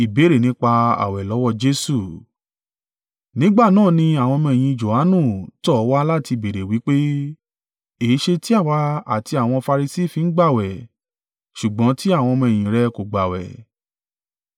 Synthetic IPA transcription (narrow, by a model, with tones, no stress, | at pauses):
i˨be˨˦ɾe˨nĩ˦k͡pa˧a̰˨wɛ˨lɔ˨˦wɔ˧˨d͡ʒe˧˦su˦˨ | nĩ˨˦ɡ͡ba˦˨nãː˦˨nĩ˧a˨w̃ɔ̃˧mɛ̃˧˨j̃ĩ˧d͡ʒo˨ha˨˦nũ˦˨tɔ˦wa˦la˦˨ti˧be˨ɾe˨wi˨˦k͡pe˦ | e˨˦ʃe˧ti˦a˦˨wa˧˦a˨ti˧a˨w̃ɔ̃˧fa˧ɾi˧si˦˨fĩ˧n̩˦ɡ͡ba˦˨wɛ˨ | ʃu˨ɡ͡bɔ̃˨˦ti˦a˦˨w̃ɔ̃˧mɔ̃˧˨ĩ˨ɾɛ˧˦ko˨ɡ͡ba˨wɛ̰˨